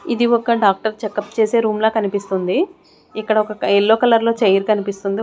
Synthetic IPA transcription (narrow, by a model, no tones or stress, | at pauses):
id̪iɔkɐɖaːk̚ʈɐɾt͡ʃɛkːɐpːt͡ʃe̞ːse̞ːɾuːmloːkɐnipist̪und̪i | ikːɐɽɐɔkɐɛlːo̞ːkɐlɐɾlo̞ːt͡ʃɐjɐɾkɐnipist̪und̪i